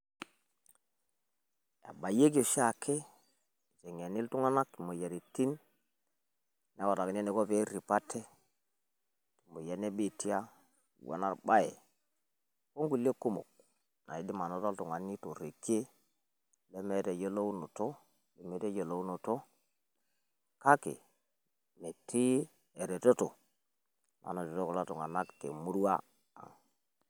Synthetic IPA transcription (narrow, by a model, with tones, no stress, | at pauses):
ja̰˨ba˨je˦k̬o˨ʃa˨kʰe˦˨ | ze˨ŋ˨a˨ni˦ltu˦ŋa˦na˦kti˨mo˨ja˨ɾi˨ti˦n | n˦a˦wo˨ta˨kne˦ne˨ko˦ve˦ɾi˨pa˦tʰːe˦ | ti˨mo˨ja˨ne˦bi˦˨ti˦a˦˨ | wa̰˨na̰˦˨ɾɓa˦jḛ˨ | ko˦ŋɡu˨li˦e˦ku˦mo̰˨k̚ | na̰˨i˨di˦ma˨no˨˦to˦ltu˨ŋa˨ni˦to˨ɾe˨ke˦ | le˦me˨ɾe˨je˦lo˦u˦no˨to˦ | li˨˦me˨te˦jo˨lo˦u˦no˨to˦ | ka˦kḛ˨ | me˨tʰi˦ | e˨ɾe˨to˦to˨ | ma̰˨no˨to˨to˦ko˨la˦tu˨ŋa˨na˦ktḛ˨mu˦ɾu˦a̰˦ | a̰˨ŋ